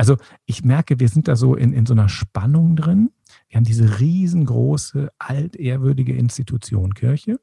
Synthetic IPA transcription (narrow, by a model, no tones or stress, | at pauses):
ʔalzo | ʔɪçmɛɐkəviːɐzɪnt̚d̥aːzoːʔɪ̰nɪnzoːnɐʃpanʊŋdʁɪn | viːɐhaːm̩diːzəʁiːzn̩ɡʁo̰ːsəʔaltʔeːɐvʏɐdɪɡəʔɪnstitʰut͡sjo̰ːnkʰɪɐçə